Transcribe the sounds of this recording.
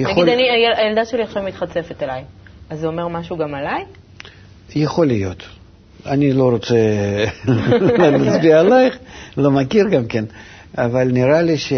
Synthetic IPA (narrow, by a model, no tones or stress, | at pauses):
jenaɡodaniajelajeld̪aʃeliaʃavmit̪χat͡sefet̪alajazːomeʁmaʃuːɡamalaj | jeχo̞lɪjo̞t̪ | anʲilo̞ɾot̪sɛ | lat͡sbiaːlajχlo̞makʲirɡamkʲenavalʲnʲɪɾalʲiʃe